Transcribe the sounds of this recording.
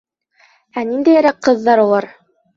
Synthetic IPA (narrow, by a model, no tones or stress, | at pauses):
ænind̪æjæ̆ɾæqqɤ̆ðːɑɾulˠɑɾ